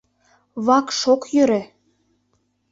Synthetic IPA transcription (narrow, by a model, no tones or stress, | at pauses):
βɑkʃokjøɾĕ